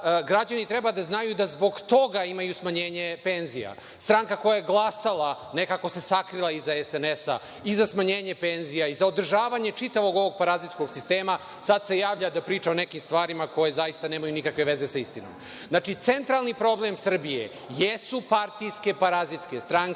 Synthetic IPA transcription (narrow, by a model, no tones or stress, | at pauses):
ɡɾad͡ʑanit̪ɾebad̪aznajud̪azbo̞ɡt̪o̞ɡaimajusmaɲeːɲe̞penzija̰ | st̪ɾaːŋkako̞jajeɡlˠasalˠa | ne̞kako̞se̞sakɾilˠaizaesenesa̰ | izasmaɲeːɲe̞penzijaizaod̪r̩ʒaːʋaɲe̞t͡ʂit̪aʋo̞ɡo̞ʋo̞ɡ̚paɾazit̪sko̞ɡsist̪eːma | sad̪se̞jaːʋʎad̪apɾiːt͡ʃaonekimst̪ʋaːɾimako̞je̞zajist̪aneːmajunikakʋe̞ʋe̞ze̞saist̪ino̰m | znat͡ʃit̪se̞nt̪ɾalˠnipɾo̞blˠe̞msr̩bijḛ | jesupaɾt̪ijske̞paɾazit̪ske̞st̪ɾaŋ